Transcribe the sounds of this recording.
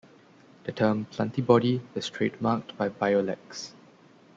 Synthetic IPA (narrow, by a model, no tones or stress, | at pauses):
d̥ətʰəmpʰlãntibɔɾiwstʰɹet̚mak̚tbajbajolɛ̰ks